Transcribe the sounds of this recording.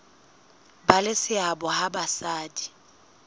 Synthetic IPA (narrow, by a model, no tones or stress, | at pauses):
balɪsɪabɔhabasaːdi